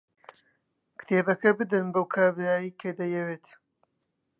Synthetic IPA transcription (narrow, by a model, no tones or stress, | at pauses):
kt̪ʰeːbɐkɐbɨd̪ɨnbɐwkʰaːbɾaːjikʰed̪ɐjɛweːt̪